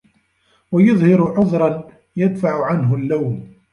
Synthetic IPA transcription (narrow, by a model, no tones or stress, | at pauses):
wajʊðˤhɪɾʊʕʊðˤɾˤɑn | jad̪faʕʊʕanɦʊlːawn